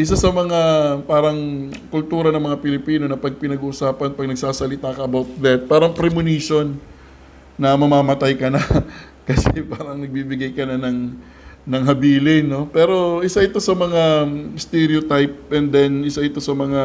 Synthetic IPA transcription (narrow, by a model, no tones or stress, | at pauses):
ʔɪsasɐmɐŋapaːɾɐŋkʊlt̪uːɾɐnɐŋmɐŋapɪlɪpiːno̞nɐpɐɡ̚pɪnɐɡuʔːsaːpɐnpɐɡ̚nɐɡsaːsɐlɪt̪aːkɐʔɐbawt̪̚d̪ɛt̪̚paːɾɐŋpɾɛmʊniʃo̞nː | ɐmɐmaːmɐt̪ajkɐnɐ | kɐsɛpaːɾɐŋnɐɡ̚bibɪɡajkɐnɐnɐŋ | nɐŋɦɐbiːlɪnːo̞pɛːɾo̞ʔɪsaʔɪt̪o̞sɐmɐŋast̪ɛɾiot̪ajp̚ʔɛnd̪ɛnɪsaʔɪt̪o̞sɐmɐŋa